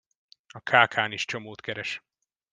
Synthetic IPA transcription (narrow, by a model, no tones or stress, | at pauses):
ɒkʰaːkʰaːniʃt͡ʃomoːt̪kɛɾɛʃ